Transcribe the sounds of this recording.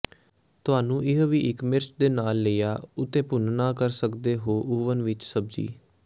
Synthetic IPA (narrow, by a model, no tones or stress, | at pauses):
t̪ʊaːnũːʔɪɦʋiːʔɪkmɪɾt͡ʃd̪eːnaːlːejaːʊt̪ːeːpʊnnaːkəɾsəkd̪eːɦoːʔuːʋənʋɪt͡ʃsəb̚d͡ʒḭː